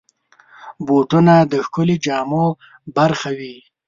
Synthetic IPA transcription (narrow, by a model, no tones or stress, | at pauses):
boʈunad̪əxkʊlid͡ʒɑːmo | baɾxawi